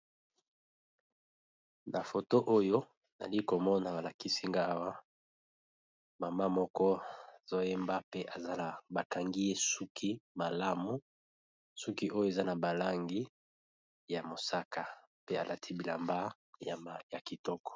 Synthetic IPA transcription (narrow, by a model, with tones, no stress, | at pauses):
na˨fo˨to˦ʔo˦jo˦ | na̰˨li˦ko˨mɔ˦na˨ba˨la˨ki˦si˦ŋɡa˦a˦wa˦ | ma˨ma˦mɔ˦kɔ˦a˨z̥o˦je˦mba˦pe˦ʔa˨za˦na˨ba˨ka˨ŋɡi˦je˦su˦kʰi˦ma˨la˦mu˦ | su˦ki˦ʔo˦jo˦˨e˨za˦na˨ba˨la˦ŋɡi˦ | ja˨mo˨sa˦ka˨ | pe˦a˨lʔa˨tʰi˦bi˨la̰˨mba˦˨ | ja˨ki˨tɔ˦kɔ̥˨